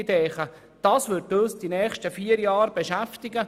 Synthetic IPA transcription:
dɛːχə | d̥ɑːsʋʏɾtosd̥inɛːχʃtəfiːəɾjɑːɾbɛʃæftɪɡə

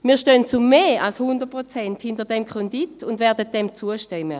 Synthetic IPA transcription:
miːɐʃtønt͡sumːeːalshʊndəʁt̚pʁot͡sɛnthɪndəɐdɛmkʰʁɔnditʰʊndvɛːɐdət̚dɛmt͡suəʃtɛmːə̰

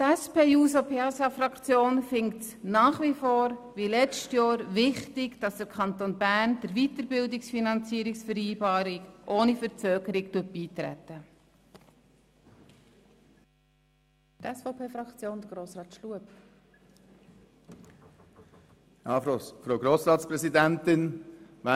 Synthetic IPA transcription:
tæspʰeːjuːsopʰeːɑsɑfɾɑkt͡sjoːnfɪŋkt | nɑːχʋifoːɾʋilɛt͡stjɑːɾʋɪχtɪɡd̥ɑsd̥̪əkʰχɑnt̪onbæːɾnd̥əɾʋit̪əɾbɪldɪksfinɑnt͡siːəɾɪksfəɾiːbɑːɾɪkʔoːnifəɾt͡sœːɡəɾɪɡtut̚b̥iːt̪ɾæ̰t̪ːə | ɛsfɔʊpʰeːfɾɑkt͡sjoːnd̥̪əɡ̥ɾoːsɾɑːt̪ʃluəp | jɑːfɾoʊɡɾoːsɾɑːtspɾɛsid̪ænt̪ɪnʋa

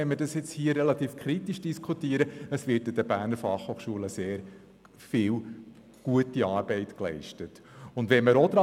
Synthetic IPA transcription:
ɛnmədɑsjɪt͡shiːəɾɛlɑt̪iːfkʰɾitiʃd̥iskʰutiəɾəəsʋɪtɪd̥əb̥æːɾnəɾfɑχhoːχʃuələseːɾ | fɪːl | ɡ̥uətiɑːɾb̥ɛɪtklɛ̰ɪʃtət | ʊndʋɛnməɾɔd̥̪ɾɑ

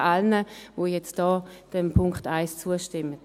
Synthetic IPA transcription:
alnəvoːjɛt͡std̥ɔːd̥ɛmpʰʊŋktaɪst͡suəʃtɪmːət

